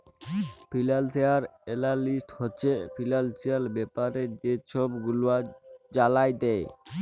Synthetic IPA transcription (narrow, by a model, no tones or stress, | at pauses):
pʰilalseaɾelalisʈhot͡ʃʰepʰilalsʰialbɛpaɾed͡ʒet͡ʃʰɔbɡuluad͡ʒalajd̪ɛj